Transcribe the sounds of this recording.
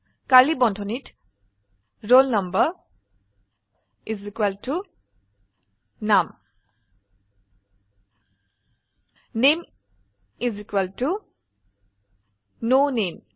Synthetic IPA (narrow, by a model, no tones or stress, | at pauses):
kalibɔntʰɔnit | ɹolnʌmbə | izikwaltu | nam | nem | izikwaltu | nonem